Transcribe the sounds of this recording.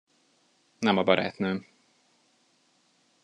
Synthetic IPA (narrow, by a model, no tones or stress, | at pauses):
nɛmɒbɒɾæ̰ːt̪nøː